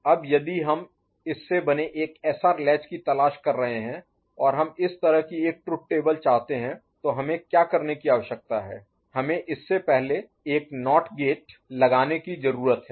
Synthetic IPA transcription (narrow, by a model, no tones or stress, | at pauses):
ɐbjɐd̪iɦɐm | ɪsːebɐneʔeːkɛːsaɾɪlɛːt͡ʃkit̪ɐlaːʃkɐɾːɐɦeɦɛ̃ | ɔːɾɦɐmɪst̪ɐɾəɦkieːk̚ʈɾʊp̚ʈeːbəlt͡ʃaːɦt̪eɦɛ̃t̪oɦɐmẽkjaːkɐɾnekiaːʋəʃjək̚t̪aɦɛ̰ː | hɐmẽʔɪsːepɛɦle | eːknɔːʈɡeːʈ̚lɐɡaːnekizɐɾuːɾət̪ɦɛː